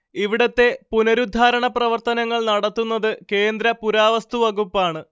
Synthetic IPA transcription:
iʋiɽɐt̪ːe̞punɐɾud̪ʱaːɾɐɳɐprɐʋɐrt̪ɐnɐŋːɐɭnɐɽɐt̪ːunːɐðɨke̞ːnd̪ɾɐpuɾaːʋɐst̪uʋɐɡupːaːɳɨ

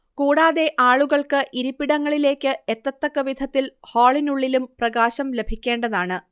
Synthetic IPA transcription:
kuːɽaːðe̞ʔaːɭuɣɐɭkɨʔiɾupːiɽɐŋːɐɭile̞ːkʲːɨet̪ːɐt̪ːɐkːɐʋid̪ʱɐt̪ːilhoːɭinuɭːilumprɐɣaːɕɐmle̞bʱikʲːe̞ːɳɖɐðaːɳɨ

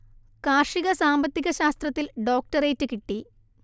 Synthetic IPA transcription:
kaːrʂiɣɐsaːmbɐt̪ːiɣɐɕaːst̪rɐt̪ːilɖo̞ːk̚ʈɐreːtːɨkiʈːi

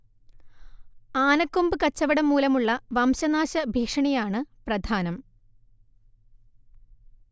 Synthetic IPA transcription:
aːnɐkːumbɨkɐt͡ɕːɐʋɐɽɐmːuːlɐmuɭːɐʋɐmɕɐnaːɕɐbʱiːkʂɐɳijaːɳɨprɐd̪ʱaːnɐm

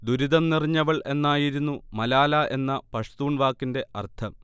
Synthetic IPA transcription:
d̪uɾiðɐmniriɲːɐʋɐɭʔenːaːjiɾunːumɐlaːlɐʔe̞nːɐpɐʂt̪uːɳʋaːkːinde̞ɐ̰rt̪ʰɐ

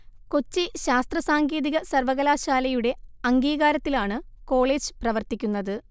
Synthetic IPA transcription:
ko̞t͡ɕːiɕaːst̪rɐsaːŋɡeːðiɣɐsɐrʋɐɣɐlaːɕaːlɐjuɽe̞ɐŋɡiːɣaːɾɐt̪ːilaːɳɨ | ko̞ːɭeːd͡ʑɨprɐʋɐrt̪ikʲːunːɐðɨ

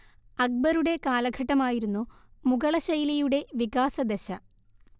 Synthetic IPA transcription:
ɐk̚bɐɾuɽe̞kaːlɐɡʱɐʈːɐmaːjiɾunːumuɡɐɭɐɕɐjlɐjuɽe̞ʋiɡaːsɐd̪eɕɐ

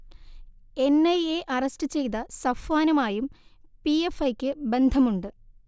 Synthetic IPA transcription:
e̞nɐjeʔɐrɐstɨt͡ɕe̞jt̪ɐsɐfaːnɐmaːjumpiefɐjkʲːɨbe̞nd̪ʱɐmuɳɖɨ

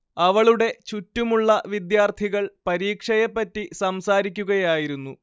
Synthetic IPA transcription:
ɐʋɐɭuɽe̞t͡ɕutːumuɭːɐʋid̪jaːrt̪ʰiɣɐɭpɐɾiːkʂɐjɐpːɐtːisɐmsaːɾikʲːuɣɐjaːjiɾunːu

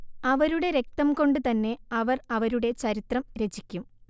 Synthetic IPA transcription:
ɐʋɐɾuɽe̞ɾe̞k̚t̪ɐmko̞ɳɖɨt̪ɐnːe̞ɐʋɐrɐʋɐɾuɽe̞t͡ɕɐɾit̪rɐmɾe̞t͡ɕikʲːum

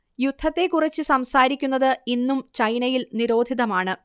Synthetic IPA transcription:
jud̪ʱːɐt̪ːe̞kurɐt͡ɕːɨsɐmsaːɾikʲːunːɐðɨinːumt͡ɕɐjnɐjilniɾo̞ːd̪ʱiðɐmaːɳɨ

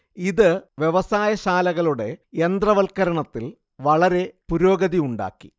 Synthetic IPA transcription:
iðɨʋje̞ʋɐsaːjɐɕaːlɐɣɐɭuɽe̞end̪rɐʋɐlkɐɾɐɳɐt̪ːil | ʋɐɭɐɾe̞puɾo̞ːɡɐðiuɳɖa̰ːkːi̥

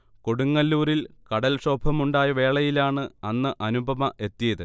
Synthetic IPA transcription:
ko̞ɽuŋːɐlːuːɾilkɐɽɐlʂo̞ːbʱɐmuɳɖaːjɐʋe̞ːɭɐjilaːɳɨɐnːɨʔɐnubʱɐmɐʔe̞t̪ːijɐðɨ

